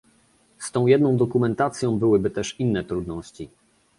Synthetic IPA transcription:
st̪ɔ̃w̃jɛd̪nɔ̃w̃d̪ɔkumɛnt̪at̪sʲjɔ̃w̃bɘwɘbɘt̪ɛʂinːɛt̪ɾud̪nɔɕt͡ɕi

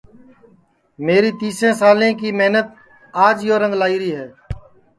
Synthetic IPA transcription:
meːɾiːt̪iːsɾẽːsaːlẽːkiːmeɦnət̪̚ | aːd͡ʒjoːɾə̃ŋɡlaːiːɾiːɦɛː

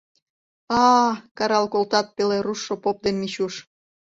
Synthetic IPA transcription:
ɑkɑɾɑlkolt̪ɑt̪̚peleɾuʃːopop̚d̪enmit͡ɕuʃ

